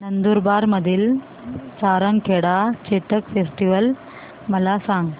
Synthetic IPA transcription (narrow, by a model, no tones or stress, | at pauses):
nɐnd̪uɾbaːɾmɐd̪ɪl | t͡ʃaːɾɐŋkeɽaːt͡ʃɛʈːɐkfesʈiʋɐl | mɐlaːsaːŋ